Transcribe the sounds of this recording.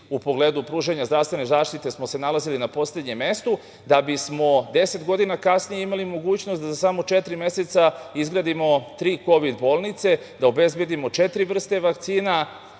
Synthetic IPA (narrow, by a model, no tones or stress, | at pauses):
upo̞ɡleːd̪upɾuːʒe̞ɲazd̪ɾaʋst̪ʋe̞nezaːʃt̪it̪e̞smo̞se̞nalazilinapo̞sle̞d̪ɲe̞me̞st̪u | d̪abismo̞d̪e̞se̞t̪ɡo̞d̪inakasnijeimalimo̞ɡuːt͡ɕno̞st̪d̪azasamo̞t͡ʃet̪ɾime̞se̞t̪saizɡɾaːd̪imo̞t̪ɾiːko̞ʋid̪bo̞ːlˠnit̪se̞ | d̪aobezbe̞d̪imo̞t͡ʃet̪ɾiʋr̩st̪e̞ʋak̚t̪siːna